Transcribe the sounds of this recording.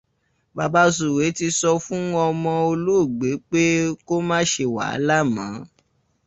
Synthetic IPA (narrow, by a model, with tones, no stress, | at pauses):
ba˧ba˦s̬u˨we˨˦ti˧sɔ˧fũ˦ɔ̃˧ɔ˧mɔ̃˧o˧lu˦˨ɡ͡be˨˦k͡pe˦ko˦mãː˦ʃe˧˨wa̰˨˦la˦˨mãː˨˦